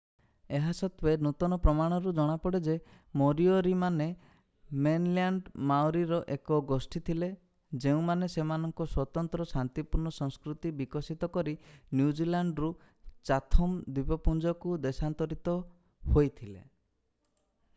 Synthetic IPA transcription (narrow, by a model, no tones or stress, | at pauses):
eɦasɔt̪wenut̪ɔnɔpɾɔmaɽ̃ɔɾud͡ʒɔɽ̃apɔɽed͡ʒe | mɔɾioɾimane | menlaɳɖmawɾiɾɔʔekɔɡosʈʰit̪ʰile | d͡ʒeũmanesemanɔŋkɔswɔt̪ɔnt̪ɾɔsant̪ipuɾnɔsɔ̃ŋskɾut̪ibikɔsit̪ɔkɔɾinjud͡ʒilaɳɖɾu | t͡ʃat̪ʰɔmd̪ipɔpund͡ʒɔkud̪esant̪ɔɾit̪ɔ | hojt̪ʰilḛ